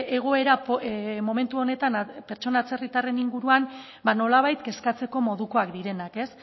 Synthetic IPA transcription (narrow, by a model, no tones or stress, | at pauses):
eɣ̞o̞e̞ɾapmo̞me̞nt̪uo̞ne̞t̪anpe̞ɾt͡ʃo̞nat͡se̞rit̪are̞niŋɡuɾuan | bano̞laβ̞ajt̪ke̞skat͡se̞ko̞mo̞ðuko̞akd̪iɾe̞nake̞s